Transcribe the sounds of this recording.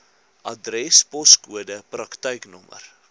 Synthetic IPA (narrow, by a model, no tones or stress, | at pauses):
ʔɐdrɛspɔskuədəprɐktəjknɔmə̰r